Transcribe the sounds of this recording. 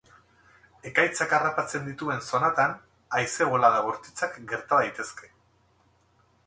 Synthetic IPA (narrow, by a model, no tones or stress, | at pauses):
e̞kajt͡sakarapat͡se̞nd̪it̪ue̞nso̞nat̪an | ajse̞ɣolaðaɣoɾt̪i̥t͡sakɡe̞ɾt̪aðajt̪e̞ske̞